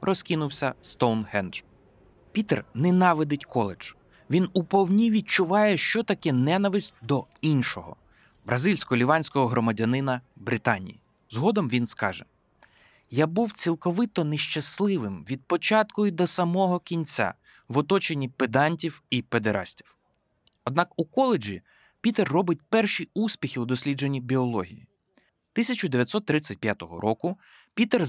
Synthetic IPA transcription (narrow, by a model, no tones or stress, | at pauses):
rʔɔskʲinʊwsʲɐst̪ɔwnhɛnd̪ɾ | pʲit̪ernɛnɑʋɪd̪ɪtʲkʰɔlˠed͡ʒ̥ | ʋʲinupɔwnʲiʋʲid̪̚t͡ʃʊʋɑjɛʃt͡ʃɔt̪ɐkɛnɛnɐʋɪsʲt̚ʲd̪ɔ | inʲʃɔɦɔ̰ | bɾʔɐzilʲsʲkɔɔlʲiʋɑnʲsʲkɔɦɔɦɾɔmɐdʲɐnɪnɐbɾɪt̪ɑnʲḭjḭ | zɦɔd̪ɔmʋʲinskɑʒɛ | jabuwt͡sʲilˠkɔʋɪt̪ɔneʃt͡ʃɐslˠɪʋɪmʋʲid̪̚pɔt͡ʃɑt̪kɔjʊd̪ɔsɐmɔɦɔkʲinʲt͡sʲa̰ | ʋɔt̪ɔt͡ʃenʲiped̪ɑnʲtʲiwiped̪eɾʔɑ̰sʲtʲiw | ɔd̪̚nɑkukɔlˠed͡ʒḭ | pʲit̪erːɔbɪt̚ʲpɛrʃiusʲpʲixʲiud̪ɔsʲlʲid͡ʒenʲːibʲiɔlˠɔɦʲḭjḭ | t̪ɪsʲɐt͡ʃʊd̪eʋʲjɐt̪ʲsɔt̪ːɾɪt͡sʲɐt̚ʲpʲjat̪ɔɦɔ̰ɾʔɔkʊ | pʲit̪er